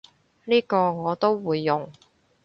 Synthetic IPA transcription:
liː˥kɔː˧ŋɔː˨˧t̪o˥wwuː˨˧jːʊ˨˩ŋ

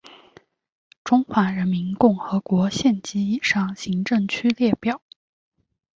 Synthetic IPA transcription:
ʈ͡ʂʊ˥ŋxwa˧˥ɻə˧˥nmi˧˥nkʊ˥˩ŋxɤ˧˥kwɔ˧˥ɕjɛ˥˩nt͡ɕi˥i˨˩ʂɑ˥˩ŋɕi˧˥ŋʈ͡ʂɤ˥˩ŋt͡ɕʰy˥ljɛ˥˧pjɑ˥˩ʊ

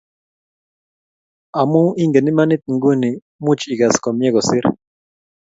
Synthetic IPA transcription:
a˨mu˦ʔi˦ŋɡe˨ni˦ma˦nɪ˦t̪̚ŋɡu˦ni˨ | mu˦t͡ʃi˨ɡa˨skɔ˨mjɛ˦ɡɔ˨sɪ˦ɾ

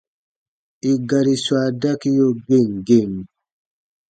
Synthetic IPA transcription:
i˨ɡa˨ɾi˨swa˨da˦ki˦jo˦ɡe˦˨ŋɡe˦˨ŋ

